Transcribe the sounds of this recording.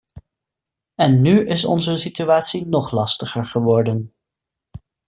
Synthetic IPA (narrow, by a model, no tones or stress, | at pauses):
ɛnːyɪsɔ̰nzəsityaːtsinɔχlɑstəχəɹχəʋɔɹdən